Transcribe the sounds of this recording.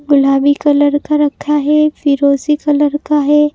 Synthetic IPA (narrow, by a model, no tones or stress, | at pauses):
ɡʊlaːbikɐləɾkaɾɐkʰːaɦɛfʰiɾoːzikɐləɾkaɦɛː